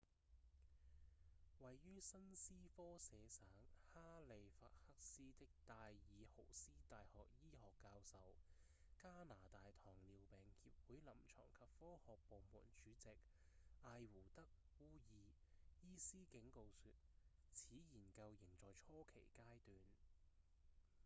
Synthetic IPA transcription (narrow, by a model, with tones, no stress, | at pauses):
wɐ˨jːyː˥sɐ˥nsiː˥fɔː˥sɛː˨˧saː˨˥ŋhaː˥le˨˧jfa̰ː˧t̚hɐ˥k̚siː˥t̪ɪ˥k̚t̪aː˧jːiː˨˧ho˨˩wsiː˥t̪aː˨jhɔː˨k̚jiː˥ɦɔː˨kːaː˧wsɐ˨w | kaː˥naː˨˩t̪aː˨jt̪ʰɔː˨˩ŋliː˨˩wpɛː˨ŋhiː˧p̚wuː˨˥jlɐ˨˩mt͡ʃʰɔ̰ː˨˩ŋkʰɐ˨p̚fɔː˥hɔː˨k̚po˨wmṵː˨˩nt͡ʃyː˨˧˥t͡sɪ˨k̚ | aː˧jwuː˨˩t̪ɐ˥k̚ | wuː˥jiː˨˧jiː˥siː˥kɪ˨˥ŋko˧wsyː˨t̚ | t͡sʰiː˨˥jiː˨˩nkɐ˧wjɪ˨˩ŋt͡ʃɔː˨jt͡ʃʰɔː˥kʰe˨˩jkaː˥jt̪yː˨n